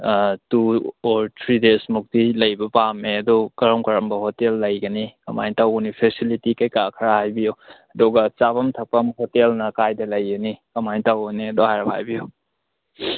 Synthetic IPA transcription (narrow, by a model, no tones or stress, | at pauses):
tuɔɾtʰɾidesmuk̚dilɐjbɐpameɐdokɐɾɔmkɐɾɐmbɐhotelːɐjɡɐnikɐma̰jtawunipʰesilitikajkakʰɐɾahajbijoɐdɔɡɐt͡ʃaβɐmtʰɐk̚pɐmɦotelnɐkajdɐlɐjɡɐnikɐmajtawniɐdohajɾɐpa̰jbiju